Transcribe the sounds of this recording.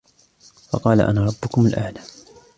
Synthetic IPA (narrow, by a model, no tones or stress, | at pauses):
fɑ̰qɑːla̰ʔa̰naːɾˤɑbːʊkʊmʊlʔa̰ʕlaː